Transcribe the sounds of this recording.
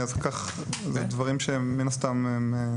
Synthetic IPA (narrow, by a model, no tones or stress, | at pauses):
azkaχ | zedvaʁimʃeːinast̪ameme